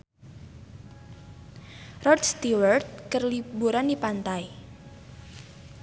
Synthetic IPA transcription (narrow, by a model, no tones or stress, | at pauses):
rɔdst̪iwərt̪̚kərlibuɾandipant̪ai